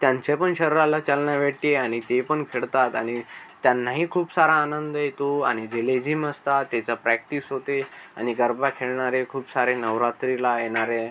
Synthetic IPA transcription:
t̪jãɲt͡sepəɳɕəɾɾalat͡ɕalɳjaʋeʈieaɽ̃it̪epəɳkʰeɭt̪at̪aɽ̃it̪janːaɦikʰuːpsaɾaːnənd̪əjet̪oa̰ɽ̃id͡ʑeled͡ʑiməst̪at̪ːɛt͡sapɾæk̚ʈiːsɦot̪ea̰ñiɡəɾbakʰeɭɳaɾekʰuːpsaɾenəʋɾat̪ɾilajeɽ̃aɾe

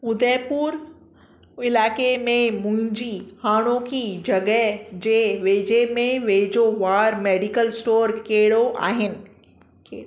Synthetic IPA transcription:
ʊd̪ʱɛːpuːɾ | ɪlaːkemẽmʊ̃ɦɪ̃ɲd͡ʑihaːɽ̃õkʰid͡ʑɐɡəd͡ʑeːʋeːd͡ʑemẽʋeːd͡ʑoʋaːɾmeːɖikəlsʈoːɾkeːɪɽoʔa̰ːɦɪnɪ̆ | ke

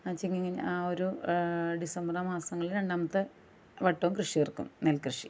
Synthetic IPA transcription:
at͡ɕːiŋːiŋːɐnaːoɾuɖisɐmbramaːsɐŋːɐɭiɾeɳɖaːmɐt̪ːɨ | ʋɐʈːoːmkrɨʂijerkːṵmnelkrɨʂi

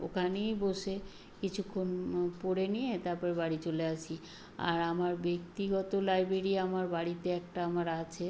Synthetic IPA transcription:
o̰kʰanijboʃe | kit͡ɕʰukʰːonpoɽenijet̪aɾpɔɾebaɽit͡ɕoleat͡ɕʰi | a̰ɾamaɾbek̚t̪iɡɔt̪olajbɾeɾiamaɾbaɽit̪eɛk̚ʈaamaɾat͡ɕʰe

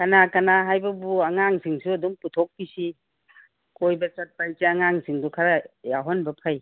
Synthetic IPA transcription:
kɐnakɐnaɦajbɐbuɐŋaŋsiŋsuɐduŋputʰɔk̚pisi | kojbɐt͡ʃɐt̚pajt͡ʃeɐŋaŋsiŋdukʰaɾɐjaɦɔnbɐpʰɐj

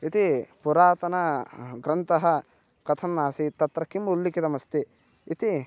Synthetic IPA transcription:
it̪ipuɾaːt̪ɐnɐɡɾɐnt̪ɐɦɐ | kɐt̪ʰɐnːaːsit̪ɐt̪ɾɐkːimulːikit̪ɐmɐst̪i | it̪i

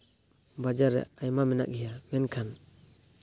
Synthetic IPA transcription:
bad͡ʒaɾɛ̰ajmamɛna̰ʔk̚hijamɛnkʰan

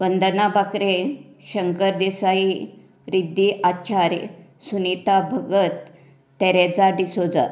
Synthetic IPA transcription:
ʋənd̪ənabakɾe | ɕəŋkəɾd̪esai | ɾid̪ʱːiʔat͡ɕaɾj | sunit̪abʱəɡət̪ː | ɛɾɛd͡zaɖisod͡za̰

